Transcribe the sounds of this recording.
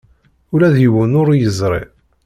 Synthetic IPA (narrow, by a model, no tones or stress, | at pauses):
ulæðjəwənʊɾjəzˤɾˤḛ